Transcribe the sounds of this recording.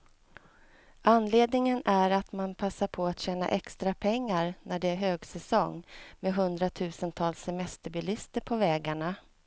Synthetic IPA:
anleːd̪nɪŋənæɾat̪manpʰasːaɾpʰɔat̪ɕɛːna̰ʔɛkst̪ɾapʰɛŋːaɾnæɖɛæɾɦøːɡsɛsɔŋmeɦɵnd̪ɾat̪ʰʉ̟ːsənt̪ʰɑːlsːɛmɛst̪əɾbɪlɪst̪əɾpʰɔvɛːɡaɳa

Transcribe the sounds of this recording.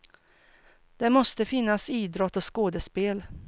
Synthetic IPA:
d̪̥ɛmɔst̪əfɪnːasiːd̪ɾɔt̪ːɔskoːd̪əspeːl

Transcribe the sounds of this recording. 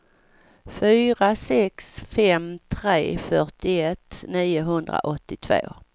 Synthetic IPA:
fyːɾasɛksfɛmt̪ʰɾeːfœʈɪɛt̪ːniːʊɦɵnd̪ɾa̰ʔɔt̪ːɪt̪ʰvo̰ː

